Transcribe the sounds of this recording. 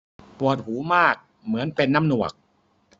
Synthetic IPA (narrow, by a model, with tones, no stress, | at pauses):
pu˨˩ət̪̚huː˩˦maː˥˩k̚ | mɯ˩˦ənpe˧nːaː˥˩mnu˨˩ək̚